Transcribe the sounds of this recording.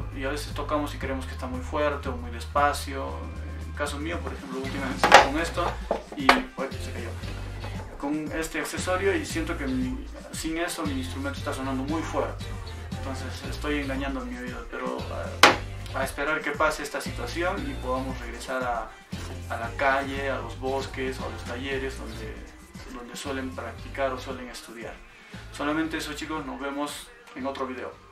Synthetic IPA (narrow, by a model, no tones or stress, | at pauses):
iaβe̞se̞st̪o̞kamosikɾeemoskest̪amujfwe̞ɾt̪e̞omujðespasjo | eŋkasomiopo̞ɾexe̞mploult̪imament̪est̪akoŋe̞st̪o | iosekajo | ko̞ŋe̞st̪eakse̞so̞ɾjo̞isje̞nt̪o̞kemi | siŋe̞somiiːns̬t̪ɾument̪oest̪aso̞nand̪o̞mujfwe̞ɾt̪e̥ | ent̪o̞nse̞sḛst̪o̞je̞ŋɡaɲãnd̪oemio̞iðope̞ɾo̰ | aespe̞ɾaɾke̞paseest̪asit̪wasjo̞nipo̞ðamosre̞ɣɾe̞saɾa | alakaʝe̞alo̞̰zβo̞ske̞soalo̞st̪aʝe̞ɾe̞zðo̞̰nd̪ḛ | d̪o̞nd̪e̞swe̞le̞mpɾak̚t̪ikaɾo̞swe̞leŋe̞st̪uðja̰ɾ | so̞lamẽnt̪e̞esot͡ʃiko̞zno̞zβe̞mo̞s | e̞ŋo̞t̪ɾo̞βiðe̞̰o